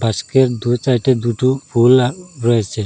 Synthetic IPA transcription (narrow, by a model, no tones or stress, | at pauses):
baskeɾd̪ut͡ʃajʈed̪uʈupʰulɾɔet͡ʃʰe